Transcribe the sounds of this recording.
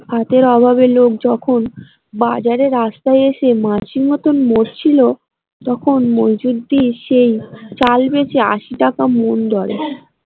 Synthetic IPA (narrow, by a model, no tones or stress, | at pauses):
kat̪eɾɔbʱabelok̚d͡ʑɔkʰon | bad͡ʑaɾeɾast̪ajeʃemaʃiŋɔt̪onmoɾt͡ɕʰilo | t̪ɔkʰonmod͡ʑud̪ːiʃejt͡ɕalbet͡ɕʰea̰ʃiʈakamond̪ɔɾḛ